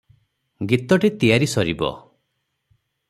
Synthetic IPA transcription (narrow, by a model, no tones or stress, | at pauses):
ɡit̪ɔʈit̪ijaɾisɔɾibɔ̰